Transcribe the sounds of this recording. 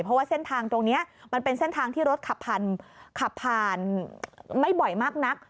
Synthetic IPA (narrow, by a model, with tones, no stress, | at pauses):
pʰɾɔ˦˥waː˥˩se˥˩nt̪ʰaː˧ŋt̪o˧ŋni˦˥ɐʔma˧npe˧nse˥˩nt̪ʰaː˧ŋt̪ʰiː˥˩ɾo˦˥t̪̚kʰa˨˩pʰːaː˧nkʰa˨˩pʰːaː˧n | ma˥˩jbɔ˨˩jmaː˥˩k̚na˦˥k̚